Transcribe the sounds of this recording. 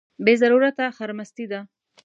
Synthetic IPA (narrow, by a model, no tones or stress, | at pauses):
bezaɾuɾat̪axaɾmast̪id̪a